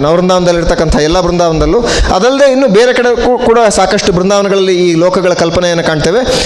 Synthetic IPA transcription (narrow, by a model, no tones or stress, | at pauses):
nɐʋɾɐnd̪ʱaːʋɐnd̪ɐlːiɾt̪ɐkːɐnt̪ʰɐɛlːɐbɾund̪ʱaːʋɐnd̪ɐlːu | ɐd̪ɐlɐd̪einːuːbeːɾe̞kɐɽekuːɽɐsaːkɐʂʈubɾund̪ʱaːʋɐnɐɡɐɭɐlːiːlɔːkɐɡɐɭɐkɐlpɐnejeːnːɐkaːɖt̪eːʋe